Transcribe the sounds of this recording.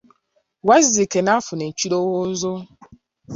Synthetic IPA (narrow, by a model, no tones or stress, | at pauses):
wazikenafʊnet͡ʃiɾowozo